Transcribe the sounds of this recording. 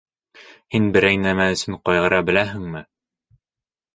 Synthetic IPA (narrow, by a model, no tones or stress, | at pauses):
hinbɘ̆ɾæjnæmæɵ̆sɘɴqɒjʁɤ̆ɾɑbɘ̆læɦɘ̆ŋmɘ